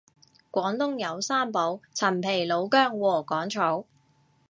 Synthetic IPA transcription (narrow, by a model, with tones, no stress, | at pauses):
kʷɔː˨˥ŋt̪ʊ˥ŋjɐ˨˧wsaː˥mpo˨˥wt͡sʰɐ˨˩mpʰe˨˩jlo˨˧wkœː˥ŋwɔː˨˩kɔː˨˥ŋt͡ʃʰo˨˥w